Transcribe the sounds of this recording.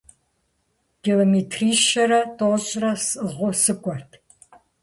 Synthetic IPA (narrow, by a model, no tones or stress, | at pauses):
ɡ̥iloːmetʰriːʃɐɾɐtʰʼoɕʼrɐsɨʁʷʊsɨkʷʼɔrtʰ